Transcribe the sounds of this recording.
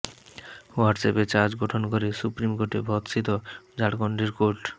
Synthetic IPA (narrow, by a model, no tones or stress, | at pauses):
waɾɖsepet͡ɕaɾd͡ʑɡɔʈʰonkoɾesupɾimkoɾʈebʱɔt̪sit̪od͡ʑaɽkɔɳɖɾeɾkoɾʈ